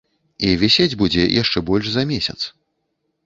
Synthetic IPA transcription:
ivʲɛsʲed͡zʲbud͡zʲɛjʔaʂt͡ʂɛbɔlʲʂzɐmʲesʲɐt̪s

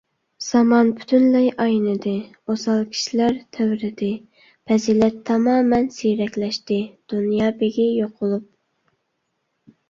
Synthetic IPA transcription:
z̥ɑmɑnpʰy̥t̪ʰynlɛjʔɑjnɨd̪ɨ | osɑlˠkʲʰi̥ʃilæɾt̪ʰæwɾɪd̪ɪ | pʰɛzilɛt̪ʰːɑmɑːmɛnsijɾɛkʲlɛʃt̪ɪd̪̥unjɑːbeɡʲijoqʰʊlˠup̚

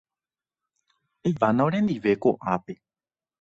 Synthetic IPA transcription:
eʋanaoɾẽ̞nd̪iʋe̞koʔape

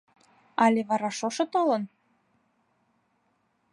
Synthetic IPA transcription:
ɑlʲeβɑɾɑʃoʃɤ̆t̪olɤ̆n

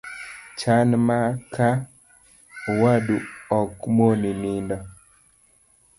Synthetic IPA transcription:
t͡ʃanmakʰa | waduɔkmoninindɔ

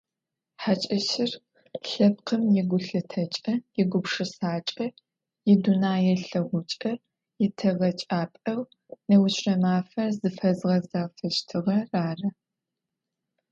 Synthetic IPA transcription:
ħat͡ʃʼɐʃɪr | ɬɐp̚qʰəmjɛɡʷʊɬɨtʰɐt͡ʃʼɐjɪɡʷʊpʂɨsaːt͡ʃʼɐ | jɪdunaːjɛɬɐʁʷʊt͡ʃʼɐ | jɪtʰɐʁɐt͡ʃʼaːpʼɐw | nɐwʊt͡ʃʰrɐmaːfɐrzɨfɐzʁɐzɐʁfɐʃtʰɨʁɐraːrɐ

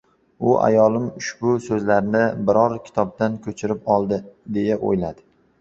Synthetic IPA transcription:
ʊʔa̰jɒlˠɪmʊʃbʊsɵzlaɾnɪbɪɾɒɾkʲʰɪ̥t̪ʰɒb̚d̪ankʲʰɵt͡ʃʰɪɾɪpɒlˠd̪ɪd̪e̞jaʔo̰jlad̪ɪ

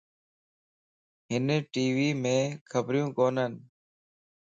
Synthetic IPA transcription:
ɦɪneʈiːʋiːmẽːkʰəbɾjũːkoːnən

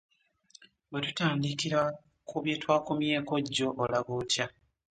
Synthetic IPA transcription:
βetutaːndikiɾa | kʰuβjeːtwaːkumje̞ːko̞ɟːo̞ʔːlaɡotja

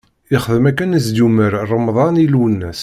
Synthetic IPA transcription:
ɪχðəmækːənəs̬d̪uməɾrˤːəmðˤɑnilwənːæs

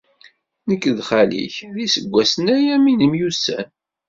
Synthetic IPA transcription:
nəkːðχælḭçðisəɡʷːæsənæjæminəmjusːæ̰n

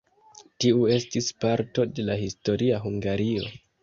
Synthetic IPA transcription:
tiue̞stispaɾto̞de̞lahisto̞ɾiaɦuŋɡaɾio̞̰

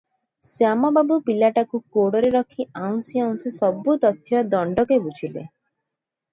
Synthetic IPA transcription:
sjamɔbabupilaʈakukoɽɔɾeɾɔkʰiaw̃siaunsisɔbut̪ɔt̪ʰːjɔd̪ɔɳɖɔkebut͡ʃʰilḛ

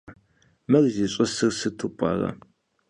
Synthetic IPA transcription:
mɐrziɕʼɐsɨrsɨtʰupʼɑ̰ːrɐ̰

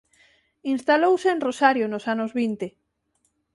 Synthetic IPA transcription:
inst̪alowseːnrosaɾjonosanozβint̪e

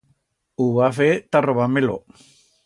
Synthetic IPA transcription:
uβafet̪aroβamelo

